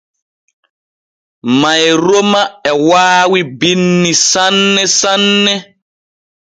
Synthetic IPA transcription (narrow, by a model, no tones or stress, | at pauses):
mãjɾomaɛwaːwibinːisanːɛsanːɛ